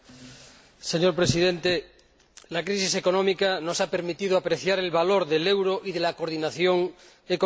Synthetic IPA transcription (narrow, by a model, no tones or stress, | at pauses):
seɲoɾpɾesiðẽnt̪e | lakɾisise̞konõmikanosape̞ɾmit̪ið̞oapɾeθjaɾe̞lβaloɾðelewɾoʔiðelakoɾðinaθjoŋ | eko